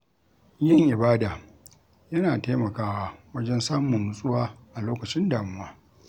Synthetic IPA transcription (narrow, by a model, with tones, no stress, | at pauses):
jɐ˦˨ŋʔɪ˨baː˦daː˨ | jɐ˦naː˨teː˦mɐ˨kaː˦waː˦wɐ˦d͡ʒɛ˦nsaː˦mʊ˨nːʊ˨sʼʊ˦waː˦ʔa˨loː˦kɐ˨t͡ʃɪ˦ndaː˨mʊ˦waː˦